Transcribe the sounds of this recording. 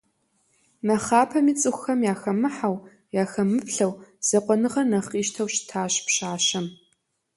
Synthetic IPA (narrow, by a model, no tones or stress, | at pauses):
nɐχaːpʰɐmiːt͡sʼɨxʷxɐmjaːxɐmɨħaw | jaːxɐmɨpɬɐwz̥ɐqʷʼɔnɨʁɐrnɐχiːʃtʰɐwɕtʰaːɕpɕaːɕɐm